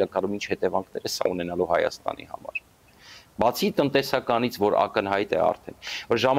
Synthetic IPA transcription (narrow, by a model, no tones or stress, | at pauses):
ɑkɑlumint͡ʃʰhɛt̪ɛvɑŋkʰnɛɾəsɑ̰unɛnɑluhɑjɑ̰st̪ɑ̰nḭhɑ̰mɑ̰ɾ | bɑt͡sʰit̪ənt̪ɛsɑkɑnit͡sʰvɔɾɑ̰kənɦɑjt̪ɛ̰ɑ̰ɾt̪ʰɛnvɔɾʒɑm